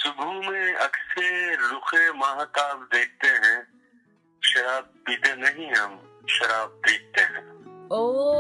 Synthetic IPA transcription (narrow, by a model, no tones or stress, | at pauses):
sʊbʱumẽɐkselʊxemaːɦk̪aːbd̪eːk̚ʰt̪eɦɛ̃ | ʃɐɾaːb̚ːit̪enɐɦĩɦɐm | ʃɐɾaːb̚d̪eːk̚t̪eɦɛ̰̃ːo